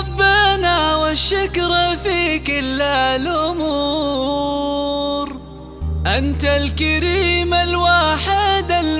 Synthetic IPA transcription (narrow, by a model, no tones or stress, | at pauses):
bːanaːwaʃːakɾˤfiːkɪlːalʔʊmuː | ɾ | ʔant̪alkaɾiːmalwaːħɪd̪al